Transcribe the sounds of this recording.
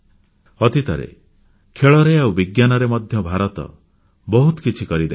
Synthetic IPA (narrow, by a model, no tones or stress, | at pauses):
ɔt̪it̪ɔɾḛ | kʰeɭɔɾeawbiɡjanɔɾemɔd̪ʱjɔbʱaɾɔt̪ɔ̰ | bɔɦut̪ɔ̥kit͡ʃʰikɔɾid̪e